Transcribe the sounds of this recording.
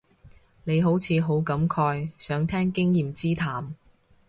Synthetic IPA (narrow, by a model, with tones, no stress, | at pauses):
ne˨˧jɦo˨˥wt͡sʰiː˨˧ɦo˨˥wkɐ˨˥mkʰɔː˧jsœː˨˥ŋt̪ʰɛː˥ŋkɪ˥ŋjiː˨mt͡siː˥t̪ʰaː˨m